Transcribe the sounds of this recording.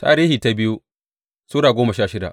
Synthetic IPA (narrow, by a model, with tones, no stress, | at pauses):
ta̰ː˨ɾiː˦hiː˨ta˦bɪ˦ju˦ | suː˦ɽaː˨ɡʷoː˦mɐ˨ʃaː˦ʃɪ˦da̰˨ʔ